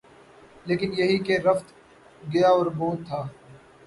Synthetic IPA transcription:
leːkɪnjɐɦikeɾɐft̪ | ɡɐjaɔːɾboːt̪t̪ʰːaː

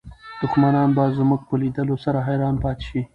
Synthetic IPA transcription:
d̪̥ʊxmanɑnbɑzmuɡ̚pəlid̪əlosaɾaɦajɾɑnpɑt̪e̥ʃi

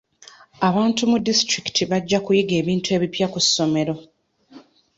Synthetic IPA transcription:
aβaːntumudistɾiki̥tʰiβaɟːakujiɡe̞ːβiːntue̞ːβipjakusːo̞me̞ɾo̞

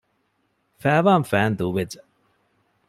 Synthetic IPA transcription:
fæːʋaːmfæːnd̪uʋed͡ʒɐ

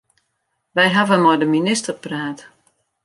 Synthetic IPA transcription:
ʋɛjɦavənmɔjdəminɪstərpraːt

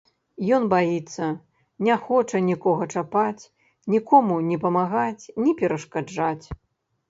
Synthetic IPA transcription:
jɔnbajit̪sːɐ | nʲɛxɔt͡ʂɐnʲikɔɣɐt͡ʂapat͡sʲ | nʲikɔmunʲɛpɐmaɣat͡sʲnʲipʲɛɾɐʂkad͡ʐat͡sʲ

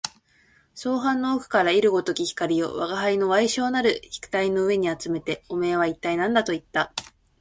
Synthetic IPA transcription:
so̞ːɦãnːo̞ːkɯ̟̥kaɾaiɾɯ̟ɡo̞t̪o̞kʲiçi̥kaɾʲijo̞̰βaɡaɦaino̞βaiɕo̞ːnaɾɯ̟çi̥kɯ̟̥t̪aino̞ɯ̟e̞ɲ̟iat͡sɨme̞t̪e̞ome̞ːβait̪ːainãnd̪at̪o̞it̪ːa

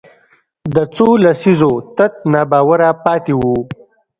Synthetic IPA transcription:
d̪ət͡solasizot̪at̪̚nabɑːwaɾapɑt̪ewu

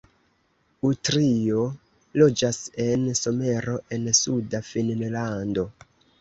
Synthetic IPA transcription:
utɾio̞ | lo̞d͡ʒase̞nso̞me̞ɾo̞ʔe̞nsudafinnlando̞

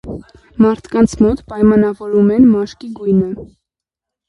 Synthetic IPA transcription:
mɑɾt̪ʰkɑnt͡sʰmɔt̪pɑjmɑnɑvɔɾumɛnmɑʃkiɡujnə

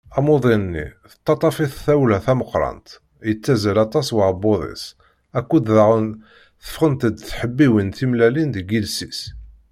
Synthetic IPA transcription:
æmoðˤinnːḭθə̥t̪ˤːɑt̪ˤɑfiθθæwlæθæməqːɾˤɑ̰nt̪ | jət͡sːæzəlɑt̪ˤɑswəɾboðˤḭs | ækːud̪ðaʁən | θə̥fχənt̪əd̪θħəbːiwinθimlælind̪əɡilsis

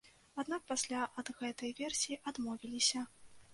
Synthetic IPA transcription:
ad̪nak̚pasʲlʲaʔɐd̪ɣɛt̪ɐjvʲɛrsʲijiʔad̪mɔvʲilʲisʲɐ

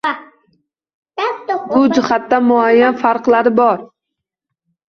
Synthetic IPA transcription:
bʊd͡ʒɪχat̪ːamʊajːanfaɾqlaɾɪbɒɾ

